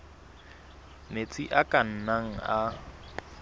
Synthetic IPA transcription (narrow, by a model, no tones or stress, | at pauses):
net͡sʼiʔakʼan̩naŋ̩a